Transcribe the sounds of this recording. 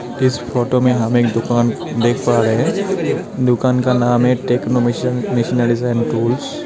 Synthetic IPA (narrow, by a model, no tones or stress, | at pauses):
ɪspʰɔʈomẽɦamekd̪ʊkan | d̪ekʰpaɾeɦɛ̃ | d̪ʊkankanamɦɛʈeknomisinaɖisajnʈuːls